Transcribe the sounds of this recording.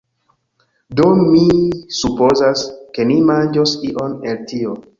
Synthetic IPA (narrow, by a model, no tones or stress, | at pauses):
domisupozaske̞nimand͡ʒosiʔoneltio